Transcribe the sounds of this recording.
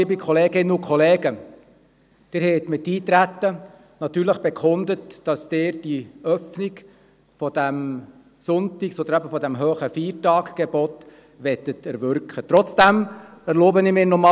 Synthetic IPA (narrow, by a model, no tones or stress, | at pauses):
ɪbikʰɔleːɡɪnːəʊkʰχɔleːɡə | d̥ɪːɾhɛɪt̪mɪtiːt̪ɾæt̪ːə | nɑt̪yːɾləχb̥ɛkʰʊnd̪ətd̥ɑsd̥ɪːɾd̥iœfniɡ | fɔd̥æm | sʊntiksɔd̪əɾæbəfɔdæmɦøːχəfiːɾtɑːkɡ̥ɛbɔt | ʋɛtətɛɾʋʏɾkχət̪ɾɔt͡sd̥æmɛɾloːbənɪmɪːnɔmɑ